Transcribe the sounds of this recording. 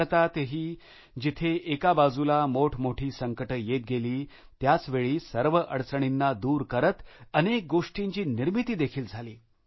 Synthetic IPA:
t̪at̪eɦiː | d͡ʑit̪ʰeʔekabad͡zulamoʈʰmoʈʰiːsəŋkəʈəjet̪̚ɡeliː | t̪jat͡sʋeɭiːsəɾʋəʔəɽt͡səɳ̃inːad̪uːɾkəɾət̪ənek̚ɡoʂʈiɲt͡ɕiːniɾmit̪iːd̪ekʰiːld͡zʱaliː

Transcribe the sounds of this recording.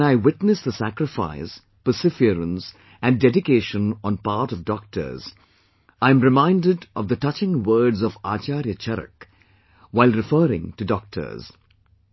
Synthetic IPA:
naɪwɪtnɨsd̪əsækɾɪfa̰ɪs | pəsɪfiəɾə̃ns | æ̃ndɛdɪkeːʃə̃nɔ̃npaːɾtɔvdɔk̚ʈʰə̰˞z̥ | ãɪɨ̃mɾɪmãɪ̃ndɪdʔɔ̰vd̪ətʌt͡ʃɪ̃ŋwəːdzɔva̰ːt͡ʃaːɾjət͡ʃʰɛɾə̰k | waɪlˠɾɪfəːɾɪ̰̃ŋtudɔk̚tʰə̰˞z̥

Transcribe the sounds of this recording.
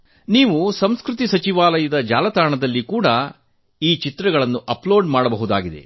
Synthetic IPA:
niːʋusɐmskɾut̪isɐt͡ʃiʋaːlɐjɐd̪ɐd͡ʒa̰ːlɐt̪aːɳɐd̪ɐlːikuːɽɐ | iːt͡ʃit̪ɾɐɡɐɭɐnːuʔɐploːɖmaːɽɐbɐɦud̪a̰ːɡid̪e̞̰

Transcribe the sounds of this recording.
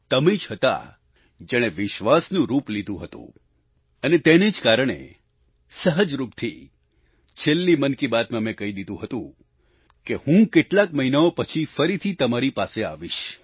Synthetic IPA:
t̪əmed͡ʒɦət̪a̰ | d͡ʒɛɽ̃eʋɪʃʋasnũɾuplid̪ʱũɦət̪ṵ̃ | ənet̪ened͡ʒkaɾəɽ̃ḛ | səɦəd͡ʒɾupt̪ʰḭ | t͡ʃʰelːimənkibat̪mãmẽkəɦid̪id̪ʱũɦət̪ũ | kehũkeʈlakməɦinaopət͡ʃʰifəɾit̪ʰit̪əmaɾipasea̰ʋiʃ

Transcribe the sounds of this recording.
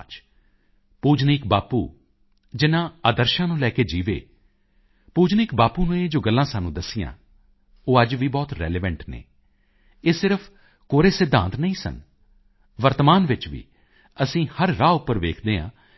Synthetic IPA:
t͡ʃ | puːd͡ʒniːkbaːpṵː | d͡ʒɪnãːaːd̪əɾʃãːnũːlɛːkeːd͡ʒiːʋḛː | puːd͡ʒnɪːkbaːpuːnũːẽːd͡ʒoːɡəlːãːsaːnũːd̪əsɪjã̰ː | oːəd͡ʒʋiːbɔːt̪ɾɛ̰ːleːʋəɳʈnḛː | eːsɪɾəpʰ | koːɾeːsɪd̪ʱːã̰ːnt̪nəĩːsə̰n | ʋəɾt̪maːnʋɪt͡ʃʋḭː | əsĩːhəɾːaːʊpːəɾʋḛːkʰd̪eːã̰ː

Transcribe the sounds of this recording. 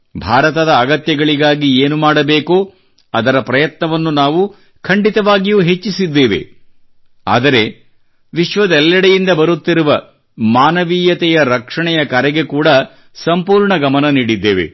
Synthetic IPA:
bʱaːɾɐt̪ɐd̪ɐːɡɐt̪jɐɡɐɭiɡaːɡieːnumaːɽɐbeːkoː | ɐd̪ɐɾɐpɾɐjɐt̪nɐʋɐnːunaːʋu | kʰɐɳɖit̪ɐʋaːɡijuːɦe̞t͡ʃːisid̪ːe̞ːʋe̞̰ | a̰ːd̪ɐɾe̞ | ʋiʃʋɐd̪ɛlːɐɽɛjind̪ɐbɐɾut̪ːiɾuʋɐ | maːnɐʋiːjɐt̪ɛjɐɾɐkʂɐɳɛjɐkɐɾɛɡe̞kuːɽɐ | sɐmpuːɾɳɐɡɐmɐnɐniːɽid̪ːeːʋe̞̰

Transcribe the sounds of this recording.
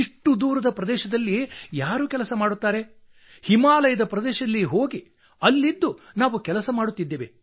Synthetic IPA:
iʂʈud̪uːɾɐd̪ɐpɾɐd̪ɛːʃɐd̪ɐlːijaːɾuːkɛlɐsɐmaːɽut̪ːaːɾe̞ | himaːlɐjɐd̪ɐpɾɐd̪ɛːʃɐd̪ɐlːiɦoːɡi | ɐlːid̪ːunaːʋukɛlɐsɐmaːɽut̪ːid̪ːeːʋe

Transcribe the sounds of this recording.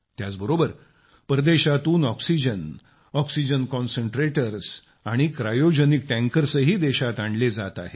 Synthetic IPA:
t̪jat͡sbəɾobəɾ | pɾəd̪eɕat̪uːnɔksid͡ʑən | ɔksid͡ʑənkɔnsəɳʈɾeʈəɾs | aɽ̃ikɾajod͡ʑənik̚ʈæ̃ŋkəɾsəɦiːd̪eɕat̪aɳled͡zat̪a̰ɦe

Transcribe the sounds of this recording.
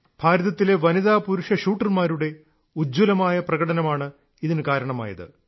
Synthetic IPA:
b̥ʱaːɾɐðɐt̪ːile̞ʋɐniðaːpuɾuʂɐʂuːʈːɐrmaːɾuɽe̞ | ud͡ʑulɐmaːjɐprɐɣɐɽɐnɐmaːɳɨ | iðinɨkaːɾɐɳɐma̰ːjɐ̰ðɨ̰

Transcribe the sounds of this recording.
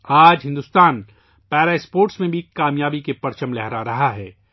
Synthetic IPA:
aːd͡ʒɦɪ̃nd̪ust̪aːn | pɛːɾaɪspoːɾʈsmẽbʱikaːmjaːbikepɐɾt͡ʃəmlɛɦɾaɾɐɦaɦɛː

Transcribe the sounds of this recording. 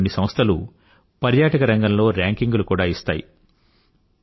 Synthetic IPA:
nːisɐmɐst̪ʰɐlṵ | pɐɾjaːʈɐkɐɾɐŋɡɐmlo̞ːɾaːŋkiŋɡulukuːɽaːist̪a̰ːjḭ

